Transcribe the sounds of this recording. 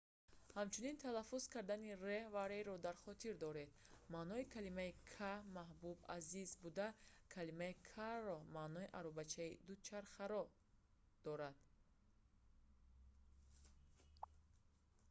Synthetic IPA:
hamt͡ʃʰunint̪ʰalafːuz̥kʰaɾd̪anirevaɾeɾɔd̪aɾχɔt̪ʰiɾd̪ɔɾe̞d̪manɔikʰalimaikʰamaɦbuba̰zizbud̪akʰalimaikʰaɾɔmanɔiʔaɾɔbat͡ʃʰaid̪ut͡ʃʰaɾχaɾɔ | d̪̥ɔɾad̪̥

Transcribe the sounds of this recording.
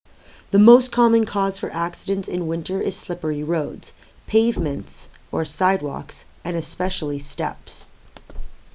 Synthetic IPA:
ðɨmoʊstkʰɑmɨ̃nkʰɔz̥fə˞ʔæksɨɾɨ̃ntɨ̃nwɪ̃ntə˞ʔɨz̥slɪpə˞iɹoʊdz̥ | pʰeɪvmɨ̃ntsə˞saɪd̚wɔ̰ks | ɨ̃nɨspɛʃl̩ˠistɛ̰ps

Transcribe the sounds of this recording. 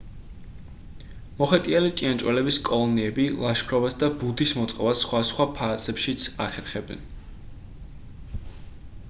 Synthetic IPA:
mɔχɛt̪ʼialit̪ʼiant͡ʃʼwɛlɛbiskʼɔlˠɔniɛbilˠaʃkʰɾɔvasd̪abud̪ismɔt̪sʼqʼɔvasχwasχwapʰaːt̪sʰɛpʃit̪sʰaχɛɾχɛbɛ̰n

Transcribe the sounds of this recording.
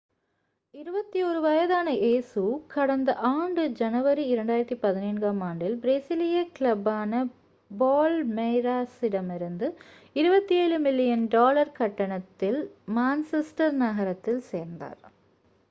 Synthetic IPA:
ɪɾɯbɐt̪ːiɔːɾɯʋɐjɐðaːnɐʔeːsukɐɽɐnd̪ɐʔaːɳɖɯd͡ʒɐnɐʋɐɾiɪɾɐɳɖaːjɪɾɐt̪ːipɐðɪneːnɡaːmaːɳɖɪlbɾeːsɪlɪjɐkɪlɐbaːnɐ | boːlmɛjɾaːsɪɽɐmɪɾɯnd̪ɯ | ɪɾɯbɐt̪ːieːɻɯmɪlːɪjɐnɖoːlɐɾkɐʈːɐɳɐt̪ːɪlmaːnsɛsʈɐɾnɐɣɐɾɐt̪ːɪlseːɾnd̪a̰ːɾ

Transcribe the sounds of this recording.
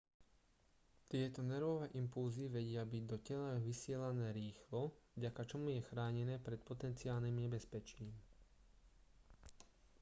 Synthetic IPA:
t̪ɪɛt̪ɔnɛɾʋɔʋɛːʔimpulziʋɛɟɪabiɟd̪ɔcɛlaʋisɪɛlanɛːɾiːxlɔvɟakat͡ʃɔmujɛxɾaːɲɛnɛːpɾɛt̪̚pɔt̪ɛnt͡siaːlniːmɲɛbɛspɛt͡ʃiːm

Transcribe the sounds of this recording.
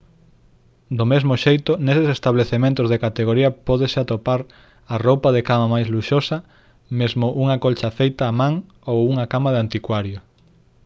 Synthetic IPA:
d̪omezmʊʃejt̪ʊnesɪsest̪aβleθemẽnt̪ʊzðekat̪eɣ̞oɾiɐpɔðesɪat̪opaɾ | arowpɐðekamɐmajzluʃosɐ | mezmʊʔuŋɐkolt͡ʃɐfejt̪aːmãŋ | owuŋɐkamaðɪant̪ikwaɾjʊ

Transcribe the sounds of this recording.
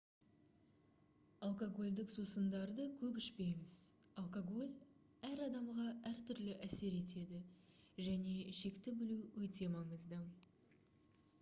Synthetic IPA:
alˠkoɡo̞lʲd̪ɪksusənd̪ɑɾd̪əkʲʰɵpɪʃpe̞ŋɪz̥alˠkoɡo̞lʲ | æɾɑd̪ɑmʁɑæɾt̪ʰʏɾlɪʔæse̞ɾe̞t̪e̞d̪ɪ | ʒæne̞ʃe̞kt̪ɪbɪluwɵt̪e̞mɑɴəzd̪ə

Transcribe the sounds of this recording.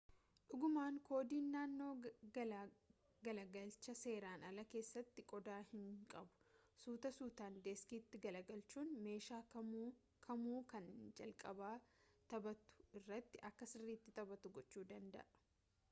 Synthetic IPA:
ᶑʊɡʊmaːŋkʰo̞ːd̪iːnːaːnːo̞ː | ɡɐlɐɡɐlt͡ʃɐse̞ːɾaːnɐlɐke̞ːsːɐt̪ːɪkʼɔd̪aːhɪŋkʼɐbʊ̥suːt̪ɐsuːt̪aːnd̪eskiːt̪ːɪɡɐlɐɡɐlt͡ʃuːnme̞ːʃaː | kʰɐmuːkɐnd͡ʒɐlkʼɐbaːt̪ɐbɐt̪ʊ̥ɪrːɐt̪ːɪʔɐkːɐsɪrːiːt̪ːɪt̪ɐbɐt̪ʊɡɔt͡ʃːuːd̪ɐnd̪ɐ̰ʔɐ̥

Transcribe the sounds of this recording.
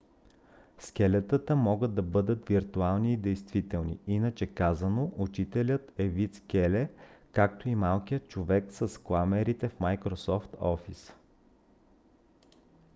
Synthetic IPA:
skʲɛlɛt̪ət̪əmɔɡəd̪ːɐbɤd̪ət̪viɾt̪ualˠniːd̪ɛjst̪vit̪ɛlˠnḭinət͡ʃɛkazənoʔut͡ʃit̪ɛlʲət̪ɛvit̪skʲɛlɛkak̚t̪oimalˠkijət̪̚t͡ʃovɛksəsklˠamɛɾit̪ɛfmajkɾosɔft̪ɔfis

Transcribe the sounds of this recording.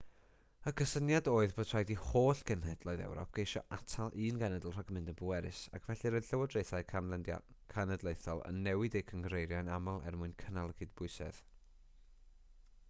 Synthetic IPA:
əkʰəsənjadoːɨðbotʰr̥ajdihoːɬɡ̥ənhɛd̥lˠɔːɨðɛ̰wɾɔ̰p̚ʰɡ̥ejʃɔʔatʰalˠʔɨːnɡanɛdəl̩ˠr̥aɡmɨndəbuɛɾɨsa̰kʰvɛɬiɾɔɬəwɔdrejθaɨ̰ | kʰanədlˠejθɔlˠə̰nːɛwɪdejkʰəŋɡrejɾjanamalˠɛ̰rmʊɨnkʰənalˠəɡɨdbʊɨsɛ̰ð̥

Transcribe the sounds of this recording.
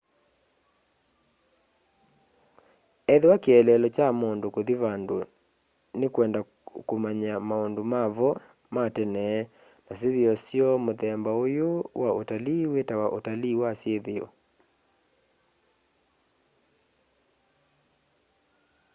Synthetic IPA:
ɛðewakeɛlɛlɔt͡ʃamondokoðiβando | nekwɛnda | komaɲamaondomaβɔ | matɛnɛ | nas̬eðeɔsjɔmoðɛmbaojowaotaliwetawaʔotaliwasjeðeɔ̰

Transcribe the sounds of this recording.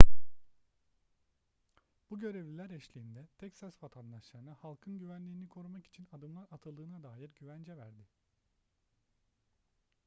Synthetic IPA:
b̥uɟø̞ɾevlʲilʲæɾɛʃlʲiːnd̪ɛt̪ʰɛcsasvat̪ʰand̪aʃlˠaɾɯnɯhalˠkʰɯnɟyvænlʲiːnikʰo̞ɾumaki̥t͡ʃʰinad̪ɯmlˠaɾat̪ʰalˠd̪ɯːnad̪aːjiɾɟyvænd͡ʒɛvæɾd̪ɪ

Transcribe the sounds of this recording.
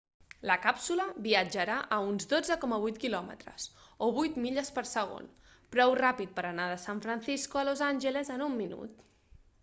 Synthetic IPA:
ləkapsuləβiəd͡ʒəɾaʔəunzd̪od͡zəkɔməβujt̪kilɔmə̰t̪ɾə̰soβujt̪miʎəspəɾsəɣ̞o̰n | pɾɔwrapit̪̚pəɾənaðəsaɱfɾənsiskuəlozanʲʒəlezənumːinṵt̪

